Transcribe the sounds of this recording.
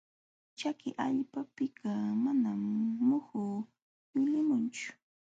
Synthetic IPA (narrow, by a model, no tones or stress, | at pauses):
t͡ʃakɪʔaʎpapɪkamanamːʊhʊ | jɪlɪmʊnt͡ʃʊ̥